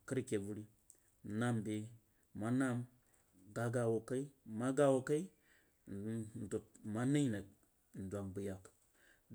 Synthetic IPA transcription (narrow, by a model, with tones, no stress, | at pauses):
kə˦ɾke˨vu˦ɾi˦˨ | na˦mbe˨ | ma˦na˦m | ɡa˨ɡa˨wo˨ka˦i˦ma˦ɡa˦wo˦˨ka˦i˦ | n˨du˨t̚ma˦na˦i˦na˨ | n̩˨dʷa˨mbə˨ja˨k | d